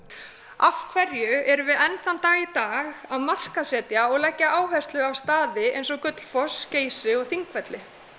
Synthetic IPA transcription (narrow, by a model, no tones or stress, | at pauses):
afkʰvɛɾjʏɛɾʏvɪðɛnθant̪aːɣit̪aːɣaðmar̥kasɛːt̪jaɔɣlɛcːaʔaːwɦɛst̪lʏawst̪aːðɪḛjnsɔkœt̪l̥fɔsceːjsɪɔɣθiŋkvɛt̪lɪ